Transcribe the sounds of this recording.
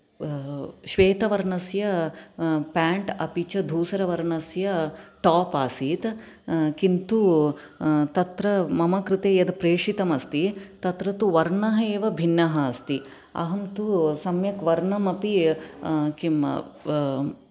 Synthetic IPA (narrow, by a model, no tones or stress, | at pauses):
ʃʋeːt̪ɐʋɐɾɳɐsjɐ | paːɳʈɐpit͡ʃɐd̪ʱuːsɐɾɐʋɐɾɳɐsjɐʈ̪aːpaːsiːt̪ | kint̪u | t̪ɐt̪ɾɐmɐmɐkɾɪt̪eːjɐd̪pɾeːʂit̪ɐmɐst̪it̪ɐt̪ɾɐt̪uʋɐɾɳɐɦɐeːʋɐbʱinːɐɦɐːst̪i | ɐ̰ɦɐmt̪usɐmjɐkʋɐɾɳɐmɐpi | kim̰